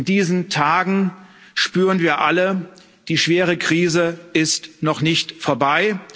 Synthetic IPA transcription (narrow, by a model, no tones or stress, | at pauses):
ndiːzn̩tʰaːɡŋ̩ | ʃpyːʁənviːɐʔalə | d̥iːʃv̥eːʁ̞əkʁ̥iːzəɪstnɔχnɪçtfoːɐbaɪ